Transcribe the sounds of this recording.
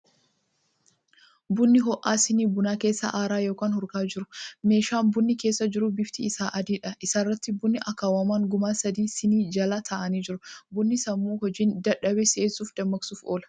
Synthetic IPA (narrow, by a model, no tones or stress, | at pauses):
bʊnːɪɦɔʔaːsɪniːbʊnaːkeːsːɐ̰ʔaːɾaːjoːkaːnhʊɾkaːd͡ʒɪɾʊ̥me̞ːʃaːnbʊnːɪke̞ːsːɐd͡ʒɪɾʊbɪft̪iɪsaːʔɐd̪iːᶑɐʔɪsaːrːɐt̪ːɪbʊnːɪʔɐkaːwɐmaːŋɡʊmaːsɐd̪iːsɪniːd͡ʒɐlaːt̪ʰɐʔɐniːd͡ʒɪɾʊbʊnːɪsɐmːuːɦɔd͡ʒiːnd̪ɐᶑɐbɛseːsuːfd̪ɐmːɐksuːfoːlɐ̥